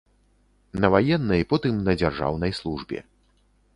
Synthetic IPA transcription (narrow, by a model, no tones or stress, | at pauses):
nɐvajɛnːɐjpɔt̪ɨmnɐd͡zʲarʐa̰wnɐjslˠuʐbʲɛ̰